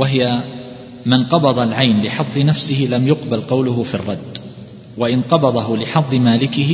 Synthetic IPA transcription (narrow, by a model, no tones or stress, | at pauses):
waɦɪja | mɪnqɑbɑd̪ˤɑlʕajnlɪħɑðˤːɨnafsɪhɪlamjʊqbalqɑwlʊɦʊfirˤːɑd̪ː | waʔɪnqɑbɑd̪ˤɑɦʊlɪħɑðˤːɨmaːlɪkɪh